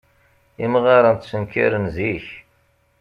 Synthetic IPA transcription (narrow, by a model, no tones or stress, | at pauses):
imʁɑɾˤənt̪sənkḭɾənziç